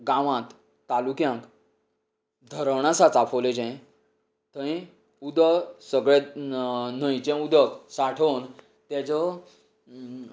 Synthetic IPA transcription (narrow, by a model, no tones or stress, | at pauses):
ɡãʋãt̪ | t̪ːalukjãŋk | d̪ʱəɾwɳ̃asat͡sapʰəled͡ʑɛ̃ | t̪əĩ | ud̪əsəɡɭe | n̤əjt͡ɕẽud̪əksaʈʰəwn | t̪jat͡sɔ